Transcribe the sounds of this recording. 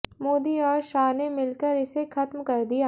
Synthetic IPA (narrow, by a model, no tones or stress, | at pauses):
moːd̪iɔːɾʃaːnemɪlkəɾɪsexɐt̪mkɐɾd̪ijaː